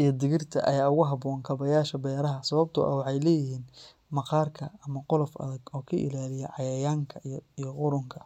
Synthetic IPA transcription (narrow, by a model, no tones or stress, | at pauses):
ʔijɞd̪ɪɣɪrt̪ʰɐ̰ʔɐ̰jaːʊɣʊɦɑbɔːŋkʰɐβɐjaːʃɐbɛːɾɐɦɐsɐβɐb̚t̪ʰʊ̰ʔɐ̰wɑħɑjlɛːjɪɦiːn | mɑqɑːrkʰɐɐmɐqʊlɔfɐ̰ðɐɡɔːkʰɐʔɪ̰laːlɪjɛʕɑjɐjaːŋkʰɐijɔqʊɾʊŋkʰɐ̥